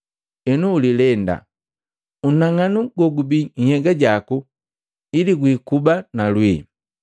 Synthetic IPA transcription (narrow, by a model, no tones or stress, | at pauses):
ɛnuːlilɛnda̰ | unaŋanuɡɔɡubihɛɡaɟaku | iliɡwikubanalwi